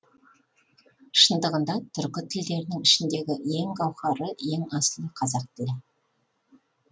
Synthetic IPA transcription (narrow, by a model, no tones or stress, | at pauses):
ʃənd̪əʁənd̪ɑt̪ʰʏɾkʲɪt̪ʰɪld̪e̞ɾɪnɪŋɪʃɪnd̪e̞ɡʲɪe̞ŋqɑwχɑɾəe̞ŋɑsəlˠəqʰɑzɑq̚t̪ʰɪlɪ